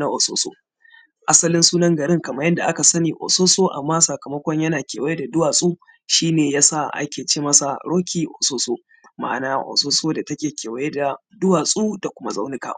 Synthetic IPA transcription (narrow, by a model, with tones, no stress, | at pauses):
na˦ʔo˨so̰ː˦so̰ː˦ | ʔa˦sɐ˦lɪ˦nsuː˦nɐ˦ŋɡɐ˨ɾɪ˦ŋkɐ˨mɐ˦jɐ˦nda˨ʔa˦ka˨sɐ˦niː˨ʔo̰˨soː˦soː˦ʔa̰˨mːaː˦sɐ˨kɐ˨mɐ˦kʷɔ˦ɲjɐ˦naː˨kʲḛ˨wje˦da˨dʊ˦waː˨sʼuː˦ | ʃiː˦neː˨jaː˦sa˦˨ʔa̰˦kʲeː˨t͡ʃeː˦mɐ˦sa˨ɽoː˦kʲiː˨ʔo̰˨soː˦soː˦ | ma̰ː˨naː˦ʔo̰˨soː˦soː˦da˨tɐ˦kʲeː˨kʲeː˨wɐ˦je˦da˨ | dʊ˦waː˨sʼuː˦da˨kʷʊ˦ma˦zɐ˦wnɪ˦ka̰˨